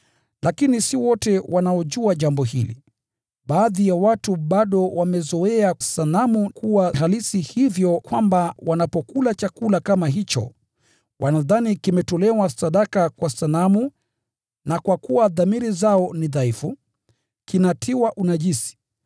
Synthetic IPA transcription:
lakinisiwɔtɛwʔanaɔʄuaʄambɔhilḭ | ɓaːðijawatuɓaɗɔwamɛzɔɛasalamukʰuwaɦalisihivjɔkwambawanapɔkulat͡ʃakulakamaɦit͡ʃɔ̰ | wʔanaðanikimɛtɔlɛwasaɗakakwasalamu | nakwakuwaðamiɾizaɔniðaifu | kinatʰiwaʔunaʄisi̥

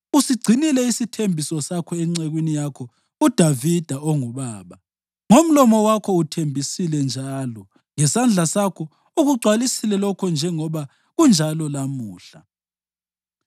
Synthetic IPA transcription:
usiɡ͡ǀʱinilɛisitʰembʱisɔsakʰɔɛŋ͡ǀeɣwinijakʰɔ | ud̥ʱavid̥ʱaɔŋuβaːβa | ŋom̩lɔmɔwakʰɔutʰembʱisilɛnd͡ʒʱalɔ | ŋɛsand͡ɮʱasakʰɔ | uɣuɡ͡ǀʱwalisilɛlɔkʰɔnd͡ʒʱɛŋɔβa | ɣund͡ʒʱalɔlamuːɬa

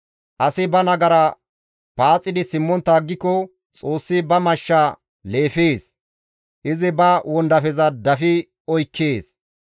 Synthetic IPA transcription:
ʔɐsɪbɐnɐɡɐɾɐ | paːt͡sʼːɪd̪ɪsɪmːɔnt̪ːaːɡːɪkːɔ | t͡sʼo̞ːsːɪbɐmɐʃːa | le̞ːfeːs | ʔɪzɪbɐwɔnd̪ɐfɛzɐd̪ɐfɪ | ɔjkʰːeːs

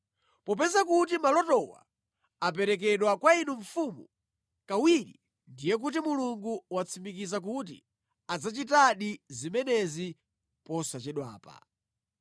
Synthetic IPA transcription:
pɔp̬ɛzakut̬imalɔtɔwa̰ | ap̬ɛɾɛk̬ɛɗwakwainuɱfumu | kawiɾḭ | ndijɛk̬utimuluŋɡuwat͡sʰimik̬izak̬ut̬ḭ | ad͡zat͡ʃitaɗizimɛnɛzi | pɔsat͡ʃɛɗwaːpa̰

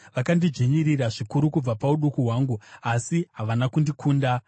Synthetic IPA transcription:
ʋakandid͡ʒiɲiriraʐikuɾukub͡vapauɗukuɦwaːŋɡuasiɦaʋanakundikʰuːnda

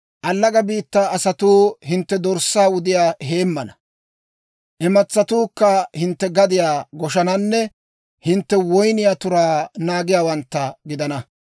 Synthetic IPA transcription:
ʔɐlːɐɡɐbiːt̪ːaːɐsɐt̪uːhɪnt̪ːɛd̪ɔɾsːaːwʊd̪ɪjaːɦe̞ːmːɐnɐ | ʔɛmɐt͡sːɐt̪uːkːɐhɪnt̪ːɛɡɐd̪ɪjaːɡɔʃɐnɐnːɛ | hɪnt̪ːɛwɔjnɪjaːt̪ʊɾaːnaːɡɪjaːwɐnt̪ːɐɡɪd̪ɐnɐ

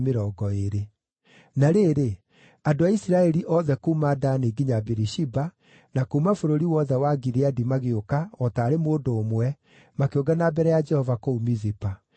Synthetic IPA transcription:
meɾɔːɡɔeɾe | naɾeɾe | adoaisiɾaɛɾiʔɔðɛkuːmaːdaneːɡiɲabeɾiʃiba | nakuːmafoɾoɾiwɔðɛwaɡiɾeadimaɣeokaɔtaːɾemoːdoːmwɛ | makeoɡanabɛɾɛjad͡ʒɛhɔvakoumizipa

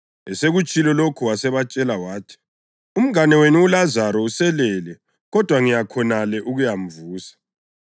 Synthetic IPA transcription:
ɛseɣut͡ʃʼilɔlokʰuwasɛβat͡ʃʼɛlawaːtʰi̥ | um̩anɛwenuːlazaɾɔusɛlɛlɛ | ɣɔd̥ʱwaŋijakʰɔnalɛʔuɣujam̩vuːsḁ

